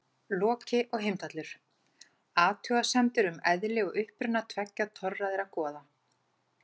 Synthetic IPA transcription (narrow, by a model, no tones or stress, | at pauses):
lɔːcɪʔɔɣɦejmt̪at̪lʏɾ̥ | aːt̪ʰœːɣasɛmt̪ʏɾʏmɛðlɪɔɣʏhpɾʏnːat̪ʰvɛcːat̪ʰɔrːaðɛɾakɔːða